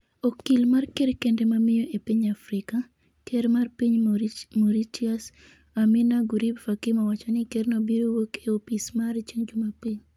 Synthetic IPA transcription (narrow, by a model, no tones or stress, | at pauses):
ɔkilmarkeɾkendemamɪjɔʔepiɲafɾɪka | keɾmarpiɲmoɾit͡ʃias | aminaɡuɾibfakɪmawat͡ʃɔnɪkeɾnɔbiɾowokeopismaɾit͡ʃeŋd͡ʒumapiɲ